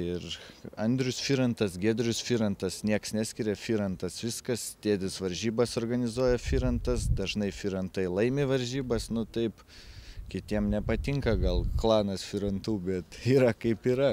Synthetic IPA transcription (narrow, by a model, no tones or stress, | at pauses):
ɪrɐnʲd̪ʲɾʲʊsfʲiːɾɐnt̪ɐsɡʲeːd̪ʲɾʲʊsfʲiːɾɐnt̪ɐsnʲiɛksnʲæːsʲkʲɪɾʲɛfʲiːɾɐnt̪ɐsʋʲɪskɐst̪ʲeːd̪ʲɪsʋɐɾʲʒʲiːbɐsorɡɐnʲɪzuɔjɛfʲiːɾɐnt̪ɐsd̪ɐʒnɐɪfʲiːɾɐnt̪ɐɪlˠɐɪmʲeːʋɐɾʲʒʲiːbɐsnʊt̪ɐɪp | kʲɪt̪ʲiɛmnʲɛpɐt̪ʲɪŋkɐɡɐlˠklˠɑːnɐsfʲiɾɐnt̪uːbʲɛt̪iːɾɐkɐɪpiːɾɐ